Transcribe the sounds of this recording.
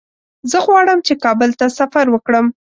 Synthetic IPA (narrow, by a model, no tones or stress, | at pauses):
zəɣwɑɽəmt͡ʃekɑbəlt̪asafaɾwəkɽəm